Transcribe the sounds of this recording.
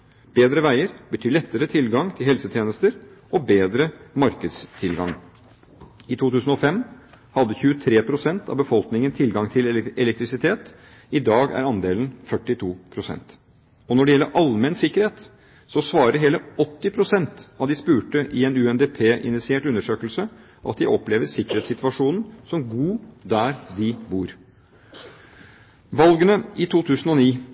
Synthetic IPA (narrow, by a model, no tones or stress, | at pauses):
b̥eːd̪ɾəʋæɪəɾbət̪ʰyːlɛt̪ːəɾət̪ʰɪlɡɑŋt̪ʰɪlɦɛlsət̪ʰjeːnəst̪əɾʔɔbeːd̪ɾəmɑɾkəd̪st̪ʰɪlɡɑ̰ŋ | ɪt̪ʰuːt̪ʰʉːsən̩ɔfɛm | hɑd̪əçʉːət̪ʰɾeːpʰɾʊsɛnt̪ʰɑ̰ʋbəfɔlknɪŋənt̪ʰɪlɡɑŋt̪ʰɪlɛlɛk̚t̪ɾɪsɪt̪ʰeːt̪ | ɪd̪ɑːɡæ̰ɾɑnd̪eːlən̩fœʈːɪt̪ʰuːpʰɾʊsɛ̰nt̪ | ɔnɔɖɛjɛlːəɾʔɑlmɛnsɪkːəɾheːt̪ | sɔsʋɑːɾəɾɦeːləɔt̪ːɪpʰɾʊsɛnt̪ɑʋd̪ɪspʉːʈəʔɪɛnʉːɛnd̪eːpʰeːʔɪ̰nɪt̪sɪeːʈʉnːəʂøːkəlsə | ʔɑ̰t̪̚d̪ɪʔɔpːleːʋəɾsɪkːəɾeːt̪sɪt̪ʋɑʂuːnn̩sɔmɡuːd̪æɾd̪ɪbuːɾ | ʋɑlɡənəɪt̪ʰuːt̪ʰʉːsn̩ɔniː